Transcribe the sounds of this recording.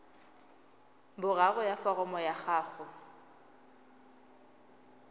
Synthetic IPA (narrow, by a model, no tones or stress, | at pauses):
bʊraɣʊjafarɔmɔjaχaːχʊ